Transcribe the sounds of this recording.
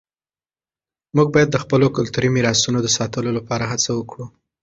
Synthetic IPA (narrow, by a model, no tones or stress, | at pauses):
muɡ̚bɑjad̪ːəxpəlokʊlt̪uɾimiɾɑsunod̪əsɑt̪əlolapɑɾaɦat͡sawəkɽu